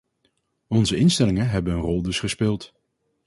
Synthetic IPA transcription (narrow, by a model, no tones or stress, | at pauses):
ɔnzəɪnstɛlɪŋəɦɛbənənrɔlˠdɵsχəspɪːlˠt